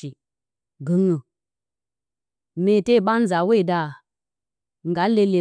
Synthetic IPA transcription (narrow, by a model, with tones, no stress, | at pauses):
i˨ | ɡɨ˨ŋu˨ | me˨te˦˨ɓa˦n̩˦za˨we˦i˨da˨ | ŋ̩˨ɡa˨˦le˧le˨